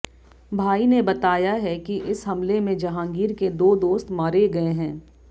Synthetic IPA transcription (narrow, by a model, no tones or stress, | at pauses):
bʱaːinebɐt̪aːjaɦɛkiʔɪsɦɐmlemẽd͡ʒɐɦãːŋɡiːɾked̪oːd̪oːst̪maːɾeɡɐeɦɛ̃ː